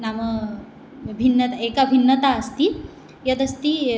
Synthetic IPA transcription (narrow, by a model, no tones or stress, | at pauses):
namə | bʱinːət̪aekabʱinːət̪aːst̪i | jət̪əst̪i